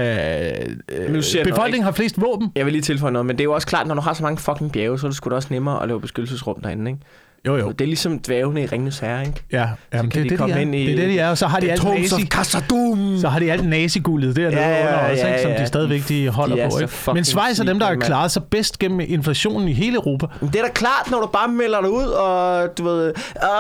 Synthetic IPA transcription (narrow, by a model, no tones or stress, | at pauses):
usɐb̥e̝fɒ̽l̰ɡɡne̝ŋ̩ɦɑfle̝̰ːsd̥ʋɔ̰ːb̥n̩jaɪʋe̝liːt͡sʰe̝lfɒ̽ɪ̰nɔːð̩ˠmend̥e̝æjoɒ̽səkʰlɑ̈ːd̥nɒd̥uɦɑ̈sɒ̽mɑ̈ŋəfɒ̽kʰeŋb̥jɛːʊsɒd̥usɡ̥ud̥e̝ɒ̽snemɐːɒ̰lɛ̰ːʊb̥e̝sɡ̥ød̥l̩səsʁɔ̽md̥æɐen̩eɡ | jo̰jo̰d̥e̝ɐlisɒ̽md̥ʋɛːʊnəiʁeŋnushæɐeɡ̥jæjæmm̩nd̥e̥ideɒen̰ideɐd̥ed̥iæɐɒsɒ̽ɦɑ̈d̥iælʰːsikʰsd̥umsɒ̽ɦɑ̈ɾ̥iæl̰d̥nɛːsiɡ̥ulð̞̩ˠd̥æɐ̰ɒe̥sɒmd̥isd̥ɛːðˠiʋeɡ̥̚d̥iɦɒ̽l̰ɐpʰɒ̽ḛɡɡfmensʋɑ̈ɪsæɐd̥emd̥ɑɐkʰlɑːðˠsɑ̈ɪb̥esd̥ɡ̥em̰m̩ʔe̝nflæɕo̝̰ːnn̩iɦe̝ːləəʊʁo̝ːpʰæmnd̥e̝æɐɾ̥ækʰlɑ̰̈ːd̥nɒɾ̥ub̥ɑ̈ːmel̰ɐd̥auð̰ˠɒ̽d̥uʋe̝ð̰ˠ